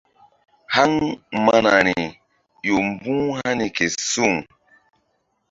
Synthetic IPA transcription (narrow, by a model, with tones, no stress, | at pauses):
ha˦ŋma˦na˨ni˨ | jo˨m˦bũ˦ha˦ni˨ke˨su˦˨ŋ